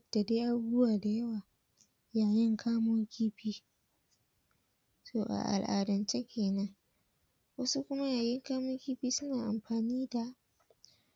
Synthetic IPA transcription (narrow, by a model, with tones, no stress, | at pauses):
d̥a˨deː˦ʔa˦˨bwaː˨da˨jɐ˦waː˨ | jaː˨jɪ˦ŋkʰaː˦mʊ˦ŋkʲiː˦ɸiː˦ | soː˦˨ʔa̰˨ʔa̰˨lʔa̰ː˨dɐ˨nt͡ʃe˦kʲʰeː˨nɐ˦ŋ | wɐ˦su˦kʷʊ˦ma˦jaː˨jɪ˦ŋkaː˦mʊ˦ŋkʲiː˦ɸiː˦sʊ˦naː˨ʔa˨mɸaː˨niː˦da˨ʔ